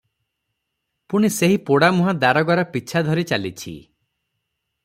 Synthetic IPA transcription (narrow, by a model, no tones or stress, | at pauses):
puɽ̃iseɦipoɽamuɦad̪aɾɔɡaɾɔpit͡ʃʰad̪ʱɔɾit͡ʃalit͡ʃʰḭ